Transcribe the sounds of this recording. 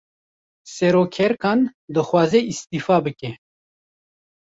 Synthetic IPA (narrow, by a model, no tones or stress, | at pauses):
sɛɾoːkʰɛɾkaːnd̪ɨxwaːzeist̪iːfaːbɨkɛ